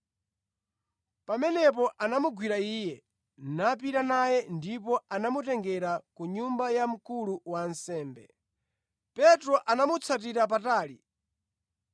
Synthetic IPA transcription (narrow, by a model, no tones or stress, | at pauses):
pamɛnɛp̬ɔʔanamuɡwiɾaiːjɛ | nap̬iɾanajɛndipɔʔanamutɛŋɡɛɾakuɲumbajam̩kuluwansɛːmbɛ̰ | pɛtɾɔʔanamut͡sʰat̬iɾap̬ataːlḭ